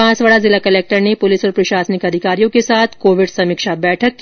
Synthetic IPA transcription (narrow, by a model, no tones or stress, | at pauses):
ãːt͡sʋaɭazɪlakɐleːk̚ʈəɾnepʊlɪsɔːɾpɾɐʃaːsənɪkɐd̪ʱɪkaːɾijõkesaːt̪ʰkoːʋɪɖsɐmiːkʃabɛːʈʰəkː